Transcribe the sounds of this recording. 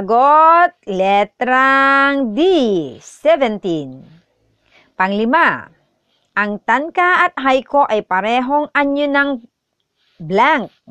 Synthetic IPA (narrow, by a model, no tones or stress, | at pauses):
ɐɡot̪̚lɛt̪ɾaŋd̪isɛvɛnt̪in | pɐŋlɪma | ʔɐŋt̪ankaɐt̪̚ɦajko̞ʔajpɐɾɛɦo̞ŋaɲonɐŋ | blaŋk̚